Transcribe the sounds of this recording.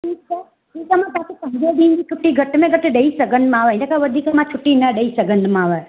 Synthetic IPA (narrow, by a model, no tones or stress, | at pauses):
ʈʰiːk̚t͡ʃʰa | iːkamãt̪akʰepɐ̃ɦɲd͡ʒod̪ĩɲd͡ʑit͡ʃʰʊʈːiɡʱɐʈmẽɡʱəʈɗɐisɐɡʱə̃nd̪mãːʋəɦɪ̃akʰaʋəd̪ʱiːkmãt͡ʃʰʊʈːinɐɗəisɐɡʱə̃nd̪maãːʋə